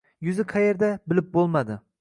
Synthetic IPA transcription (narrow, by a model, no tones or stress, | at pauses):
jʊzɪqʰɑje̞ɾd̪abɪlɪp̚bolˠmad̪ɪ